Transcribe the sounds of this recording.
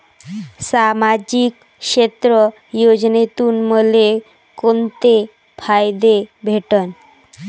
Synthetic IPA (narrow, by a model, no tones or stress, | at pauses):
samad͡ʑik | ʃet̪ɾo | jod͡ʑnet̪unmole | kont̪e | pʰajd̪ebʱeʈon